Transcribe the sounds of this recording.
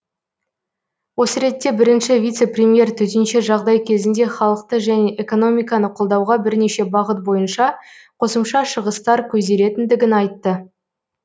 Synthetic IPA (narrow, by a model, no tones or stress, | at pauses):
wo̞səɾe̞t̪ːe̞bɪɾɪnʃɪvʲijt̪se̞prʲemije̞rt̪ʰʏzɪnʃeʒɑʁd̪ɑjkʲʰe̞zɪnd̪e̞χɑlˠəq̚t̪əʒæne̞ʔeko̞no̞mʲijkɑnəqʰo̞lˠd̪ɑwʁɑbɪɾne̞ʃe̞bɑʁət̪̚bo̞jənʃɑ | qʰo̞səmʃɑʃəʁəst̪ɑɾkʲʰɵzd̪e̞le̞t̪ɪnd̪ɪɡʲɪnɑjt̪ːə